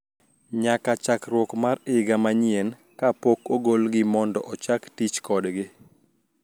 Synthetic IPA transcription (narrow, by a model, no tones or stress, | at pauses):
ɲakat͡ʃakɾwɔkmaɾɪɡamaɲɪen | kapokoɡolɡɪmɔndɔʔɔt͡ʃaktit͡ʃkɔdɡɪ